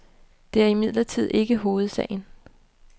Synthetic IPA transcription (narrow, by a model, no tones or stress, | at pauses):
d̥e̝æɐimið̰ˠlɐt͡sʰið̞̰ˠe̝ɡ̥əɦo̝ːð̞̩ˠsɛ̰ːɪn